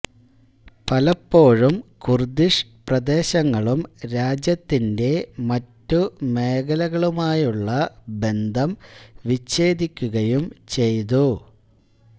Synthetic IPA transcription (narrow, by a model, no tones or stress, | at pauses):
pɐlɐpːo̞ːɻumkurd̪iʂprɐd̪e̞ːɕɐŋːɐɭumɾaːd͡ʑjɐt̪ːinde̞mɐtːume̞ːɣɐlɐɣɐɭumaːjuɭːɐbe̞nd̪ʱɐmʋit͡ɕːe̞ːd̪ikʲːuɣɐjumt͡ɕe̞jt̪u